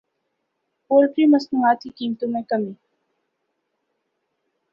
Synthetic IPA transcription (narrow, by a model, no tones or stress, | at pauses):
poːɾpɾimɐsnũːaːt̪kikiːmt̪õmẽkɐmiː